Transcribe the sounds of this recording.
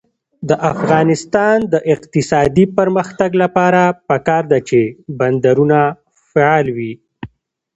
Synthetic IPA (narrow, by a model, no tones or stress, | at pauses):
d̪əʔafɣɑnɪst̪ɑnd̪əʔɪqt̪ɪsɑd̪ipəɾməxt̪aɡlapɑɾapakɑɾd̪at͡ʃeband̪aɾuna | feɑlwi